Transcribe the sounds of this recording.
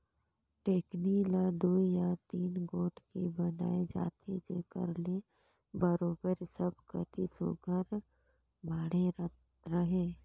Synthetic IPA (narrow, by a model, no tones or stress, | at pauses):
ʈeːknilad̪uːijat̪iːnɡoːʈkebəna̰ːed͡ʒa̰ːt̪ʰed͡ʒeːkə̰ɾle | bəɾoːbəɾsəbkət̪ʰisṵɡəɾ | bʱaːɽe | ɾəɦeː